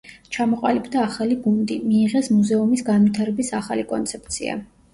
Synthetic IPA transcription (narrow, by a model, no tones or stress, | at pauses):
t͡ʃʰamɔqʼalibd̪aːχaliɡumd̪imiːʁɛsmuzɛumisɡanvit̪ʰaɾɛbisaχalikʼɔ̰nt̪sʰɛp̚ʰt̪sʰḭa̰